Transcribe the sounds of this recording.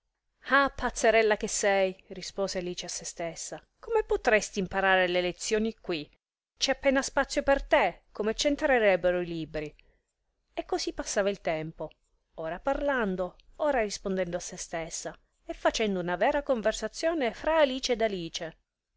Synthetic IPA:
apːat̪sːeɾɛlːak̟esːɛjrispoːzealiːt͡ʃeasːest̪esːakomepot̪ɾɛst̪iːmpaɾaːɾelelet̪sːjoːnikwi | t͡ʃɛapːɛːnaspat̪sːjopert̪ekomet͡ʃent̪ɾeɾɛbːeɾoilibɾi | ekːozipːasːaːvailt̪ɛmpo | oːɾaparland̪ooːɾarispond̪ɛnd̪oasːest̪esːa | efːat͡ʃɛnd̪ounavɛːɾakoɱversat̪sːjoːnefɾaːliːt͡ʃeːd̪aliːt͡ʃe

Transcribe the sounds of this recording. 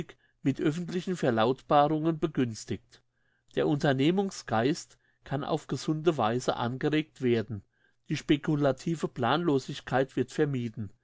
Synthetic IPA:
ɪk | mɪtʔœfn̩tlɪçn̩fɛɐlaʊtb̥aːʁʊŋənbəɡʏnstɪkt | d̥eːɐʔʊntɐneːmʊŋsɡ̥aɪst | kʰanʔa̰ʊfɡ̥əzʊndəvaɪzə̰ʔa̰nɡəʁeːk̚tv̥eːɐdn̩ | d̥iːʃpekʰulatʰiːvəpl̥aːnloːzɪçkʰaɪtv̥ɪɐtfɛɐmiːdn̩

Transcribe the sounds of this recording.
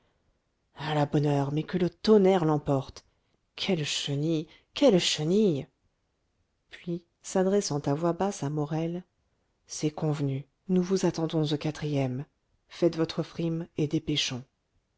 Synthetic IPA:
alabɔnœʁmɛkələt̪ɔnɛʁlɑ̃pɔʁt̪ | kʲʰɛlʃəni | kʲɛlʃənij | pɥi | sad̪ʁɛsɑ̃t̪avwabasamɔʁɛl | sɛkɔ̃vny | nuvuzat̪ɑ̃d̪ɔ̃zokʲat̪χijɛm | fɛt̪vɔt̪χəfχimed̪epeʃɔ̃

